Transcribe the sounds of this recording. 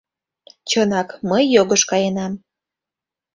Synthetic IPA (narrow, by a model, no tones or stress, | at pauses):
t͡ɕənɑkməjːoɣəʃkɑjenɑm